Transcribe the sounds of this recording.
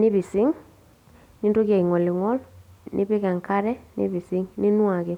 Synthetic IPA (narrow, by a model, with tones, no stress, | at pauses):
nɪ˦βi˨sɪ˦ŋ | ɲi˦nto˦ɣja˨i˨ŋɔ˨lɪ˨ŋɔ˦lnʔɪ̰˦βe˦ka˨ŋka˦ɾɛ˦nʔɪ̰˦βi˨sɪ˦ŋnɪ˦nwa˨ɣe˨